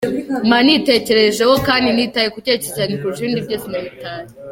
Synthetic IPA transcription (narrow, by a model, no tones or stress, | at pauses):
manite̞ce̞ɾeʒehokaːndinitajekucececaɲekuuʃiːndiɾɟoːsimaβitaːje